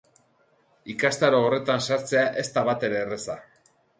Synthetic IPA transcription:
ikast̪aɾoːre̞t̪ansaɾt͡se̞aʔe̞st̪aβat̪e̞ɾe̞ːresa

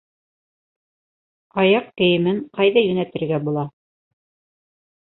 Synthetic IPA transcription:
ɑjɑqkɘ̆jɘ̆mɘɴqɑjðɑjɵ̆næt̪ɘ̆ɾɡæbulˠɑ

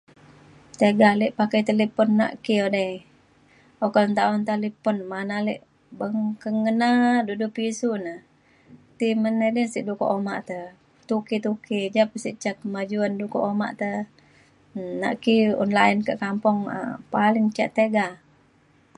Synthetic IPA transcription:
t̪eɡaliʔpakajt̪əlipɔnːa̰ʔkiodəj | okɔlnt̪aɔnt̪alipɔnmanaliʔ | bəŋkəŋənadudupisunə | t̪imənədənsiʔduko̰ʔoma̰ʔt̪ə | t̪ukit̪ukid͡ʒapəsiʔt͡ʃakːəmad͡ʒuanduko̰ʔoma̰ʔt̪ə | na̰ʔkiɔ̰nlainkəʔkampɔŋə̰palɪŋt͡ʃa̰ʔt̪eɡa

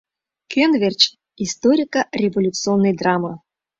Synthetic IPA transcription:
kʲenvʲerʲt͡ɕ | ist̪oɾʲɪkɐɾʲevolʲut̪sɨonːɨjd̪ɾamə

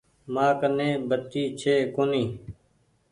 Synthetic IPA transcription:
maːkənẽːbət̪ːiːt͡ʃʰeːkoniː

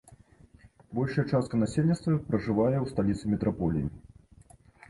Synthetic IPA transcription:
bɔlʲʂɐjɛt͡ʂast̪̚kɐnasʲelʲnʲitst̪vɐpɾɐʐɨvajɛwst̪alʲit̪sɨmʲɛt̪ɾʔapɔlʲḭjḭ

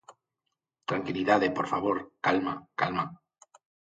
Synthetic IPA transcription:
t̪ɾaŋkiliðaðepoɾfaβ̞oɾkalmakalma

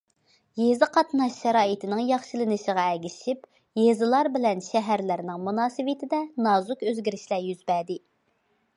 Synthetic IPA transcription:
jezɨqʰɑt̪nɑʃːɛɾɑːjit̪ʰɪnɪŋjɑχʃɨlˠɨnɨʃəʁɑɛɡʲiʃip | jezɨlˠɑɾbɪlɛnʃɛɦæɾlæɾnɪŋmunɑːsɨwɪt̪ʰɪd̪ɛnɑːzukøzɡʲiɾɪʃlæɾjyz̥bɛd̪ɪ

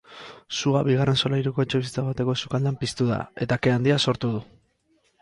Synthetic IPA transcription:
suaβiɣ̞are̞nso̞laiɾuko̞et͡ʃe̞βis̬i̥t͡saɣt̪e̞ko̞sukald̪ampist̪uða̰e̞t̪ake̞and̪iaso̞ɾt̪uðu

